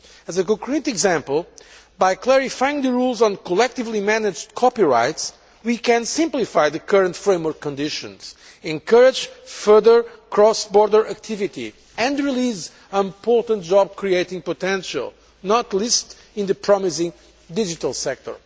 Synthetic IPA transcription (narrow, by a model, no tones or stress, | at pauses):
əzɨkɔ̃ŋkʰɹitɨɡzæ̃mpəlˠ | bajklɛɹifajɪ̃ŋðəɹulˠzɔ̃nkɔlɛk̚t̪ɨvlimænɨd͡ʒdkʰɔpiɹa̰ɪts | wikɨ̃nsɪ̃mplifajðɨkʰʌɹə̃ntfɹẽɪ̃mwɔɹkʰːɔ̃ndɪʃɨ̰̃nz̥ | ɛ̃ŋkʰʌɹɪd͡ʒfɜ˞ðə˞kʰɹɔsbɔɹdə˞æk̚t̪ʰivitḭ | ɨ̃ndɹiliz | əĩmpɔɹtə̃nt̚ʒɔb̚kɹieɪtĩŋpɔtɛ̃nʃə̰lˠ | nɔt̪list | ĩnðɨpʰɹɔmɪsɪ̃ŋ | did͡ʒit̪əlˠsɛk̚t̪ʰɔ̰˞